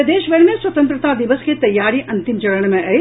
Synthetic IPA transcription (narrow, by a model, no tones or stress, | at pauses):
ɐd̪eːʃʋeɽmẽsʋɐt̪ə̃nt̪ɾət̪ad̪iʋəsket̪ɐjːaːɾiʔɐnt̪imd͡ʒɐɽəɳ̃mẽʔɐe